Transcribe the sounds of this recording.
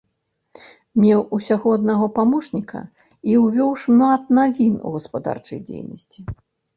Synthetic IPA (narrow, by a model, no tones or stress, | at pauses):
mʲɛwusʲaɣɔɐd̪naɣɔpamɔʂnʲikʰɐ̰ | iwvʲɔwʂmat̪̚navʲinṵɣɐspad̪a̰rt͡ʂɐ̰jd͡zʲḛjnɐ̰sʲt͡sʲi